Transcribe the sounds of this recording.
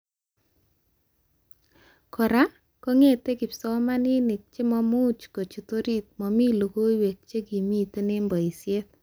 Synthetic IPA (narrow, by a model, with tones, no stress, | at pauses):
kʰɔ˨ɾa˦ | kɔ˦ŋe˦˨te˦kɪ˨psɔ˦ma˦ni˦nɪ˨k̚t͡ʃe˦mɔ˦mu˦t͡ʃko˨t͡ʃi˨to˦ɾi˦t̚mɔ˨mi˦lo˨ko˦i˦we˨k̚t͡ʃe˦ki˨mi˦te˦ne˦mbɔ˨i˨sje˦t̪̚